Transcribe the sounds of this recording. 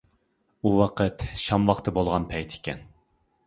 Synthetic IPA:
uwɑqʰət̪ʃɑmwɑqt̪ʰɨbolˠʁɑnpʰɛjt̪ʰɪ̥kʲɛ̰n

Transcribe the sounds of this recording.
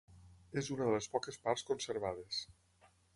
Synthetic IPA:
ezunəðəlespɔkespaɾskonseɾβ̞aðes

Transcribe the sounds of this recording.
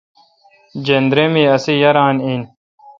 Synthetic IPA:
d͡ʑend̪ɾemiɐsijɐɾaːnin

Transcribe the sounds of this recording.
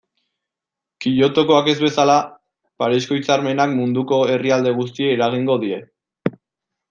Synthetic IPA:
kiʎo̞t̪o̞ko̞ake̞zβe̞sala | paɾisko̞it͡saɾme̞nakmund̪uko̞e̞riald̪e̞ɣ̞ust̪ieːɾaɣ̞iŋɡo̞ðie̞

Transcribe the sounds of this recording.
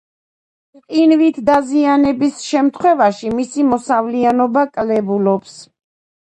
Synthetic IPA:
qʼinvit̪ʰd̪azianɛbisʃɛmt̪ʰχwɛvaʃimisimɔsavlianɔbakʼlɛbulɔps

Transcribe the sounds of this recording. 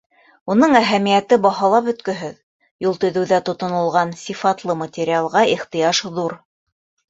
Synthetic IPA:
unɤɴæɦæmijæt̪ɘbɑɦɑlˠɑpɵ̆t̪kɵ̆ɦɘð | julˠt̪ɵ̆ðɘ̆wðæt̪ŏt̪ŏnŏlˠʁɑnsʲifɑt̪lˠɤmət̪ʲɪɾʲɪalˠʁɑiχt̪ɤ̆jɑʃðuɾ

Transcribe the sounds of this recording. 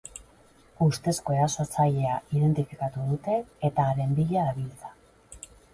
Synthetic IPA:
ust̪e̞sko̞e̞ɾasot͡saʎe̞aʔiðe̞nt̪ifikat̪uð̞ut̪e̞ːt̪aːɾe̞mbiʎaaβilt͡sḁ

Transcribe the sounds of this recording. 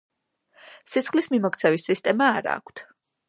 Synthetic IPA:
sit̪sʰχlismimɔk̚ʰʼt̪sʰɛvisːist̪ʼɛmaːɾa̰ːkʷʰt̪ʰ

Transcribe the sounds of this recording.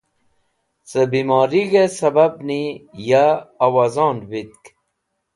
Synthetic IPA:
səbimoːɾiɡesɐbɐb̚nijaːwazõːnwit̪̚k

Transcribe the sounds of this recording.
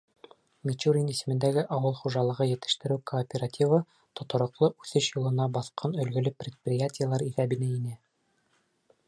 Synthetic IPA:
mʲit͡ɕuɾʲinisɘ̆mɘ̆nd̪æɡɘʔɑwɤlˠχuʒɑlˠɤ̆ʁɤjɘ̆t̪ɘ̥̆ʃt̪ɘ̆ɾɘwkoːpʲeratʲivɤ | t̪ŏt̪ŏɾˠɤ̆qlˠɤʔʉθɘʃjŭlˠɤ̆nɑbɑθqɑnɵ̆lɡɵ̆lɘprʲɪt̪̚prʲɪjatʲɪjəlˠɑɾiθæbɘ̆næinæ

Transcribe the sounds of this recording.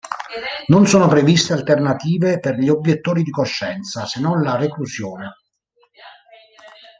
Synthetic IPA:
nonsoːnopɾevist̪ealt̪ernat̪iːveperʎiobːjet̪ːoːɾid̪ikoʃːɛnt̪sasenːɔnlareklusjoːne

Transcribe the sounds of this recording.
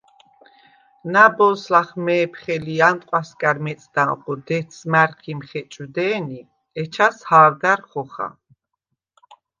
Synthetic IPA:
nabɔslaχmɛːpʰχɛliant̪ʼqʼwaskʼaɾmɛt̪sʼd̪̥aqɔd̪ɛt̪smaɾkʰimχɛt͡ʃʼud̪ɛːni | ɛt͡ʃʰashaːɾd̪aɾχɔχa̰

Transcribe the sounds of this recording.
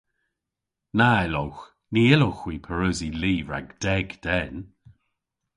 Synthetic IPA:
naɛlɔwx | niɪlowxwiːpʰəɹʉziliːvɹa̰ɡd̥ɛɡd̥ɛn

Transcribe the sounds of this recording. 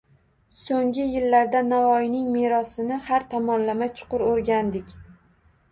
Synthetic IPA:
soŋɡʲɪjɪlːaɾd̪anavɒjɪnɪŋmeɾɒsɪnɪhaɾt̪ʰɒmɒnlamajt͡ʃʰʊ̥qʊɾoɾɡʲand̪ɪkʲ

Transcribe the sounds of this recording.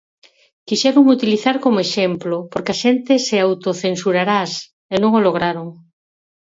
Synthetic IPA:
kiʃɛɾoŋut̪iliθaɾkomoeʃemplopoɾkɪaʃent̪ɪseawt̪oθensuɾaɾas | enõŋoloɣ̞ɾaɾoŋ

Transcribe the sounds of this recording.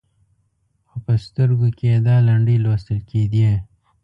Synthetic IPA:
xopɐst̪əɾɡukeed̪aːlɐɳɖiloːst̪əlkiːd̪ije

